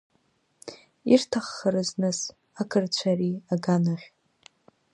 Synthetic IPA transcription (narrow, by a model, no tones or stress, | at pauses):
irtʰaχːəɾɨznɨs | akʰɨrt͡ɕʷʰaɾiaɡanaχʲ